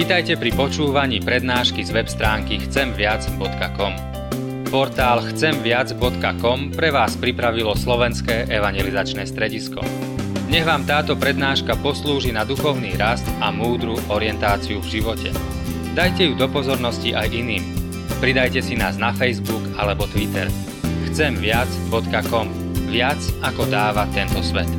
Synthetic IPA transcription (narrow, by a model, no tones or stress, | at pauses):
ʋiːt̪ajcɛpɾipɔt͡ʃuːʋaɲiːpɾɛd̪naːʃkizʋɛpst̪ɾaːŋkixt͡sɛmʋɪad͡zbɔt̪kakɔm | pɔɾt̪aːlxt͡sɛmʋɪad͡zbɔt̪kakɔmpɾɛʋaːspɾipɾaʋilɔslɔʋɛnskɛːʔɛʋaɲjɛlizat͡ʃnɛːst̪ɾɛɟiskɔ̰ | ɲɛɣʋaːmt̪aːt̪ɔpɾɛd̪naːʃkapɔsluːʒinad̪uxɔʊniːɾast̪amuːd̪ɾuʔɔɾɪɛnt̪aːt͡siuvʒiʋɔcɛ̰ | d̪ajcɛjud̪ɔpɔzɔɾnɔsciʔajʔiniːm | pɾid̪ajcɛsinaːznafɛjzbuɡalɛbɔt̪ʋit̪ɛ̰ɾ | xt͡sɛmʋɪad͡zbɔt̪kakɔm | ʋɪat͡sakɔd̪aːʋat̪ɛnt̪ɔsʋɛ̰t̪